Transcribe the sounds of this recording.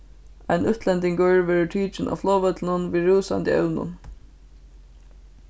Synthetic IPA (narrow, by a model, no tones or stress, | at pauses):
a̰ɪnʉht̪ʰlɛnt̪ɪŋkœɹʋɛːɹɪʈʰiːt͡ʃɪnʔa̰ːflɔːʋœt̪lnʊnʋiɹuːsa̰nt̪ɪɛ̰wnʊ̰n